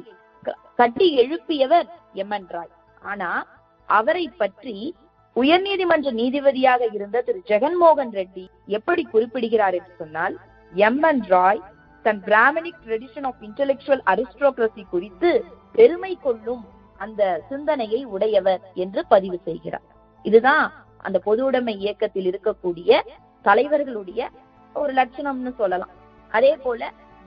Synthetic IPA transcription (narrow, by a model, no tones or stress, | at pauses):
kɐʈːiɛɻɯpːɪjɐʋɐɾ | ɛmːɐnɾaːj | ʔaːnaː | ʔɐʋɐɾɐɪpːɐʈri | ʊjɐɾniːðɪmɐndrɐniːðɪʋɐðɪjaːɣɐɪɾɯnd̪ɐt̪ɪɾd͡ʒɛɣɐnmoːɣɐnɾɛɖːi | ɛpːɐɽikʊrɪpːɪɽɯɣɪɾaːɾɛndrɯsɔnːaːl | ɛmːɐnɾaːj | t̪ɐnbɾaːmɐnɪk̚ʈɾɐɽɪʂɐnaːfɪɳʈɛlɛk̚t͡ʃʊʋɐlɐɾɪsʈɾoːkɾɐsikʊɽɪt̪ːɯpɛɾɯmɐɪkːɔɭːɯm | ɐnd̪ɐsɪnd̪ɐnɐjɐɪʊɽɐjɐʋɐɾɛndrɯpɐðɪʋɯsɛjɣɪɾa̰ːɾ | ɪðɯðãː | ʔɐ̰nd̪ɐpɔðɯɽɐmɐɪɪjɐkːɐt̪ːɪlɪɾɯkːɐkːuːɽɪjɐ | t̪ɐlɐɪʋɐɾɣɐɭɯɽɐjɐ | ɔɾɯlɐʈ̚t͡ʃɐnɐmnɯsɔlːɐlã̰ː | ʔɐðeːpoːlɐ